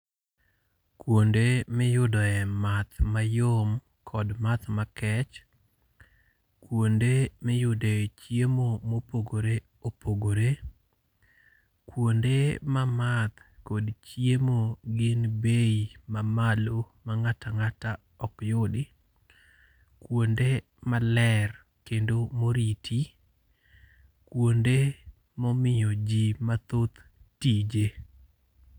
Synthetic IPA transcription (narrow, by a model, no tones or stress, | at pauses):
kwondemɪjʊdɔɛmat̪majom | kʰɔdmat̪makɛt͡ʃ | kwondemɪjʊdɔɛt͡ʃjemomopoɡoɾe | opʰoɡoɾe | kwondemamat̪kodt͡ʃjemoɡɪnbeimamalo | maŋataŋata | ɔkjodɪ | kwonde | malɛr | kendomoɾitʰi | kwonde | mɔmɪjɔd͡ʒimat̪ot̪tid͡ʒe